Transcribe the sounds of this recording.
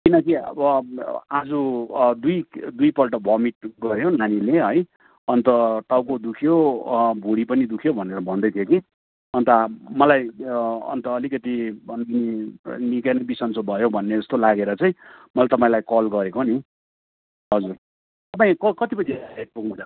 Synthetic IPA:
kinʌkiʌ̰bʌad͡zud̪ujd̪ujpʌlʈʌbʱʌmiʈ̚ɡʌɾjonanileɦʌj | ʌnt̪ʌʈawkod̪ukʰjobʱuɽipʌnid̪ukʰjobʱʌneɾʌbʱʌnd̪ʌjt̪ʰjoki | ʌnt̪ʌmʌlajʌ̰nt̪ʌːlikʌt̪ibʌnɡininikanʌbisʌnt͡sobʱʌjobʱʌnːed͡zʌst̪olaɡeɾʌt͡sʌĩmʌlajt̪ʌpaĩlajkʌlɡʌɾekoni | ɦʌd͡zur | t̪ʌpãĩkʌkʌt̪ipʌĩd̪ʱeaeʈ̚puknula

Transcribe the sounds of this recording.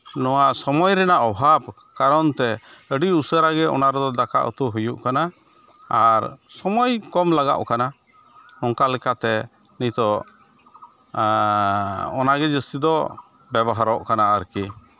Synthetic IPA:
nɔwaʔsɔmɔjɾɛnaʔɔbʱab̚ | kaɾɔnt̪ɛəɖiusəɾaɡɛʔɔ̰naɾɔd̪ɔd̪aka̰ʔə̰t̪uɦujuʔkana | aɾsɔmɔjkɔmlaɡa̰ʔkana | ɔŋkalɛkat̪ɛ | nit̪ɔ | ɔ̰naɡɛd͡ʒəsid̪ɔ | bɛbɔɦaɾɔʔkanaəɾki

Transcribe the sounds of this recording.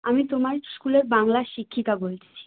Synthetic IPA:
amit̪omaɾskuleɾbaŋlaʃikʰːik̪abolt̪ʰet͡ɕʰi̥

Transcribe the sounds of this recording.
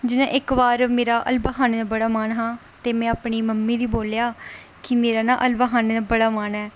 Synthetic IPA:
d͡ʒɪnãːʔɪkbaːɾmeːɾaːʔəlbaːɦaːnːd̪aːbəɽaːmaːnɦãː | t̪eːmɛ̃ːaːpɳiːməmːiːd̪iːboːljaː | kɪmeːɾaːnaːʔəlbaːɦaːnːd̪aːbəɽaːmaːnɦɛː

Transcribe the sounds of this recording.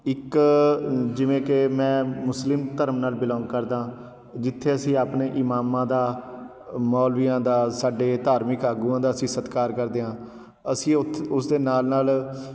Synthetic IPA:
ɪk | d͡ʒɪʋẽːkemɛ̃ːmʊslɪmt̪əɾəmnaːlbɪlɔ̃ːŋɡkəɾd̪ãː | d͡ʒɪt̪ʰːeːəsĩːaːpneːʔɪmaːmãːd̪aː | mɔːlʋiːãːd̪aːsaːɖeːt̪aːɾmɪkaːɡuːãːd̪aːəsĩːsət̪kaːɾkəɾd̪eːɦãː | əsĩːʊt̪ʰʊsd̪eːnaːlnaːl

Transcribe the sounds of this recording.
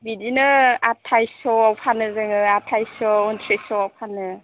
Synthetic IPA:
bidinɯatʰajsɔawpʰanɯzɯŋɯatʰajsɔɔntʰɾesɔawpʰanːɯ

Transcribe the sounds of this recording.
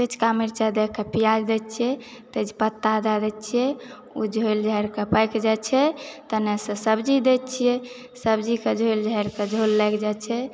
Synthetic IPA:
t̪et͡ʃkamiɾt͡ʃad̪ekʰːepijad͡ʒd̪ɛt͡ʃʰiɛt̪et͡ʃʰpət̪ːad̪ad̪ɛt͡ʃʰijɛ | ud͡ʒʱojld͡ʒʱəɾkepəjkd͡ʒat͡ʃʰɛt̪ənesə̃səbd͡ʒid̪ɛtt͡ʃʰijɛ | səbd͡ʒiked͡ʒʱojld͡ʒʱəɾked͡ʒʱolːɛkʰd͡ʒat͡ʃʰɛ

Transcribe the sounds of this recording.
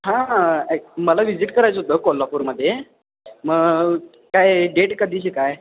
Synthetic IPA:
ɦã | məlaʋid͡ʑiʈkəɾajt͡sɦot̪əkolːapuɾməd̪ʱːje | məɡ | kajɖeʈkəd̪ʱiːt͡ɕikaj

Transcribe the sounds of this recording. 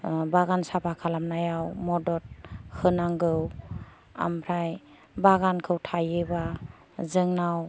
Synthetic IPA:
baɡansapʰakʰalamnajawmɔdɔt̚kʰɯnaŋɡɯw | a̰mpʰɾaj | baɡankʰɯwtʰajɯba | zɯŋnaw

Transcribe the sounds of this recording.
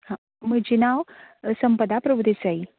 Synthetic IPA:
hã | məd͡ʑinawsəmpəd̪apɾəbud̪esai

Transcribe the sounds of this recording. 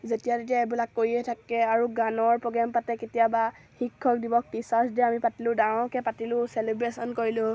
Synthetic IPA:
zetijatet̬ijaɛbilakːoɹiɛtʰakɛaɹuɡanɔɹpɔɡɛmpatɛketijaba | xikʰːɔk̚dibɔk̚pisasdiɛamipatilʊ̃dãkɛpatilʊ̃selibɹesɔnkoɹilʊ̃

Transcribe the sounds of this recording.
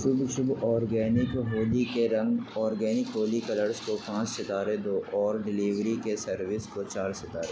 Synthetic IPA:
ʃʊbʃʊbɔːɾɡɛːnɪkɦoːlikeɾɐ̃ŋɡɔːɾɡɛːnɪkɦoːlikɐləɾskopãːt͡ʃsɐt̪aːɾed̪oːʔɔːɾɖɪliːʋɾikesɐɾʋɪskot͡ʃaːɾsɪt̪aːɾe

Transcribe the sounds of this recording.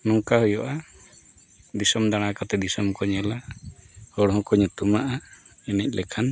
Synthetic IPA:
nuŋkaɦɔjɔʔa | d̪isɔmd̪aɽ̃akat̪ɛd̪isɔmkɔɲɛla | hɔɽɦɔ̃kɔɲut̪umaʔainɛc̚ˀlɛkʰan

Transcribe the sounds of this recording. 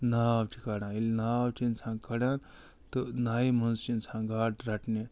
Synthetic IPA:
naːwʈʰikaːɽãːilnaːwt͡ʃinsʰãŋkʰɐɽjãːn | t̪ɨnaːimɐnst͡ʃinsʰãŋɡaːʈɾaʈne

